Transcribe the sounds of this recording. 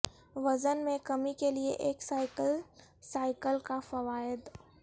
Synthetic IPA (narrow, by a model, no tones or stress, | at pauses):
ʋɐzənmẽkɐmikelieʔeːksaːɪkəlsaːɪkəlkafɐʋaːɪd̪